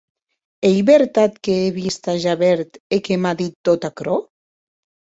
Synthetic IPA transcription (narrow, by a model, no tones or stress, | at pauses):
ejβeɾt̪at̪keeβist̪aʒaβɛɾt̪ekemaðit̪̚ːot̪akɾo